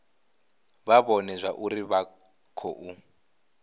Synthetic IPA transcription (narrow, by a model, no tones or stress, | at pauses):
βaβɔnɛzʷaʔuɾiβa | kʰɔʔu